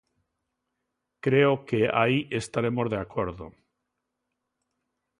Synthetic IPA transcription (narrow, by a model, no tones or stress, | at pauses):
kɾeokea̰iʔest̪aɾemozðeakoɾðo̰